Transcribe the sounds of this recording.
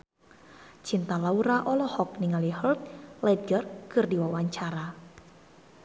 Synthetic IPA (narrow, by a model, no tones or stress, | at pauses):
t͡ʃint̪alauɾaʔɔlɔhɔk̚niŋalihəlt̪̚lɛd̚ɡərkɨrdiwawaɲt͡ʃaɾa